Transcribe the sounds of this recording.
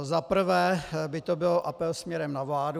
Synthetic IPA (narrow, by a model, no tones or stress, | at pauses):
zapr̩vɛːbɪt̪obɪloʔapɛlsmɲɛɾɛmnavlaːdu